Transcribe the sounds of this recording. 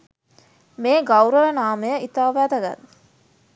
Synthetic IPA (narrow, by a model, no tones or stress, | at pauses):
meːɡɐwɾəʋənaːməjəʔit̪aːʋæːd̪ɐɡa̰n